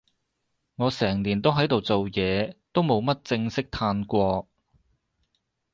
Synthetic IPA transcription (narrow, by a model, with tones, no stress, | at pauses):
ŋɔː˨˧sɛː˨˩ŋliː˨˩nt̪o˥wɦɐ˨˥jt̪o˨wt͡so˨wjɛː˨˧t̪o˥wmo˨˧wmɐ˥t̚t͡sɪ˧ŋsɪ˥k̚t̪ʰaː˧nkʷɔː˧